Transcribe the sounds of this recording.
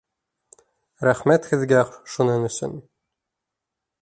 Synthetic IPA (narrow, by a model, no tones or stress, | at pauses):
ɾæχmæt̪hɘ̆ðɡæʃunɤnɵ̆sɵ̰n